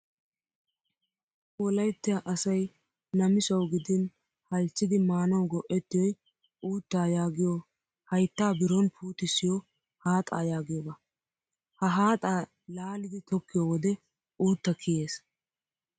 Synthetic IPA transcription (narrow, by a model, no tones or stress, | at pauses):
wɔlɐjt̪ːɪjaʔɐsɐj | nɐmɪsɐwɡɪd̪ɪn | hɐlt͡ʃːɪd̪ɪmaːnɐwɡɔʔɛt̪ːɪjɔj | uːt̪ːaːjaːɡɪjɔ | hɐjt̪ːaːbɪɾɔnpʰuːt̪ɪsɪjɔ | haːt̪ʼa̰ːjaːɡɪjɔbɐ | hɐɦaːt̪ʼaː | laːlɪd̪ɪt̪ɔkːɪjɔwɔd̪ɛ | uːt̪ːɐkʰɪjeːs